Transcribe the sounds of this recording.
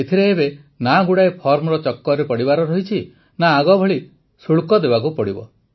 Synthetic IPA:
et̪ʰiɾeːbe | naɡuɽaepʰɔɾmɔɾɔt͡ʃɔkːɔɾepɔɽibaɾɔɾɔɦit͡ʃʰi | naːɡɔbʱɔɭi | suɭkɔd̪ebak̬upɔɽibɔ̰

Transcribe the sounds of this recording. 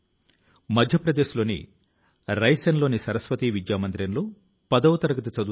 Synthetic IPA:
mɐd̪ʱjɐpɾɐd̪eːʃlo̞ːnḭ | ɾɐjsɐnlo̞ːnisɐɾɐsʋɐt̪iːʋid͡ʒjaːmɐnd̪ɾɐnlo̞ː | pɐd̪ɐʋɐt̪ɐɾɐɡɐt̪ɐt͡ʃɐd̪u

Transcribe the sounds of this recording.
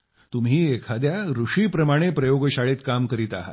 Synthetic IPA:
t̪um̤ɦiːekʰad̪jaɾuʂiːpɾəmaɽ̃epɾəjoɡəɕaɭet̪kamkəɾiːt̪aɦa̰t̪

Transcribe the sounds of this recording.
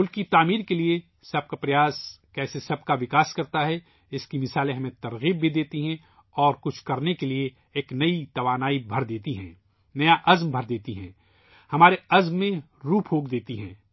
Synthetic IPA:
mʊlkit̪aːmiːɾkelie | sɐb̚kapɾɐjaːs | kɛːsesɐb̚kaʋɪkaːskɐɾt̪aɦɛ | ɪskimɪsaːlẽɦɐmẽt̪ɐɾɣiːbːʱid̪eːt̪iɦɛ̃ | ɔːɾkʊt͡ʃʰkɐɾnekelie | eːknɐit̪ɐʋaːnaːibʱɐɾd̪eːt̪iɦɛ̃ː | nɐjaʔɐzmbʱɐɾd̪eːt̪iɦɛ̰̃ː | hɐmaːɾeɐzmːẽ | ɾuːpʰɦoːk̚d̪eːt̪iɦɛ̃ː

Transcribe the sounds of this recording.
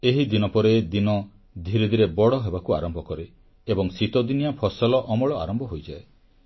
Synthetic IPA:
eɦid̪inɔpɔɾed̪inɔ | d̪ʱiɾid̪ʱiɾebɔɽɔɦebakua̰ɾɔmbʱɔkɔɾeː | bɔŋsit̪od̪inijapʰɔsɔlɔʔɔmɔɭɔa̰ɾɔmbʱɔɦojd͡ʒae

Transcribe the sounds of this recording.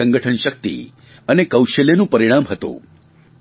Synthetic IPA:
ə̃ŋɡəʈʰənʃək̚t̪ḭ | ənekəwʃəlenũpəɾiɽ̃amɦət̪ṵ̃

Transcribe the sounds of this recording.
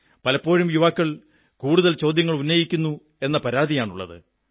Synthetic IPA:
pɐlɐpːo̞ːɻumjuʋaːkːɐɭ | kuːɽuðɐlt͡ɕo̞ːd̪ʱjɐŋːɐɭunːɐjikʲːunːu | e̞nːɐpɐɾaːd̪ijaːɳuɭːɐ̰ðɨ̰

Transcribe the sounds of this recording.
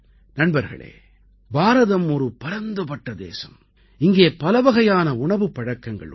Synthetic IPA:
nɐɳbɐɾɣɐ̰ɭḛː | baːɾɐðɐmɔɾɯpɐɾɐnd̪ɐpɐʈːɐd̪ḛːsɐm | ɪŋɡeːpɐlɐʋɐɣɐjaːnɐʊɳɐʋɯpːɐɽɐkːɐŋɡɐ̰ɭ

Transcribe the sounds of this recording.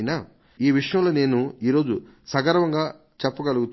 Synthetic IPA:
na | iːʋiʂɐjɐmlo̞ːne̞ːnuiːɾo̞ːd͡ʒu | sɐɡɐɾɐʋɐŋɡaː | t͡ʃɛpːɐɡɐluɡut̪

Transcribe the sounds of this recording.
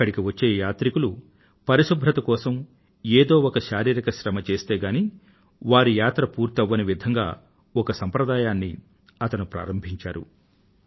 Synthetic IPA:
kːɐɽikiʋɐt͡ʃːe̞ːjaːt̪ɾikulu | pɐɾiʃubʱɾɐt̪ɐkɔːsɐm | eːd̪o̞ːɔkɐʃaːɾiːɾɐkɐʃɾɐmɐt͡ʃe̞ːst̪e̞ːɡaːni | ʋaːɾijaːt̪ɾɐpuːɾt̪ɐʋːɐniʋid̪ʱɐŋɡa̰ː | ɔkɐsɐmpɾɐd̪aːjaːnːḭ | ɐt̪ɐnupɾa̰ːɾɐmbʱiɲt͡ʃa̰ːɾṵ

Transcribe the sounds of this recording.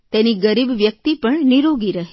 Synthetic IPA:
t̪eniɡəɾibʋjək̚t̪ipəɳniɾoɡiɾəɦe

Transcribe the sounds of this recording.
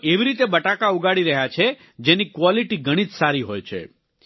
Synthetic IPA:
eʋiɾit̪ebəʈakauɡaɽiɾəɦjat͡ʃʰe | d͡ʒenikʋɔliʈiɡʱəɽ̃id͡ʒsaɾiɦojt͡ʃʰḛ

